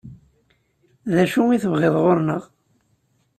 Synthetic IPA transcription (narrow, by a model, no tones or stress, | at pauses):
ðæʃuwiθəvʁeðˤʁoɾnəʁ